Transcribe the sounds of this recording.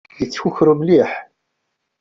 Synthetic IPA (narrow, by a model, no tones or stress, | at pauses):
jət͡sːçuçɾumliħ